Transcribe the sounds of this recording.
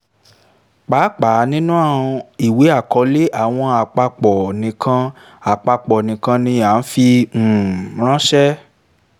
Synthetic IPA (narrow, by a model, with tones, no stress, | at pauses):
k͡pa˨˦k͡pa˨˦nĩ˦nũ˦ã˦˨ɔ̃˧i˨we˨˦a˦˨kɔ˨˦le˦ʔa˨w̃ɔ̃˧a˨k͡pa˧k͡pɔ˨nĩ˨kã˧ | a˨k͡pa˧k͡pɔ˨nĩ˨kã˧nĩ˧ja˨˦n̩˦fĩ˧˨ | ɾ̃ã˦ʃɛ˦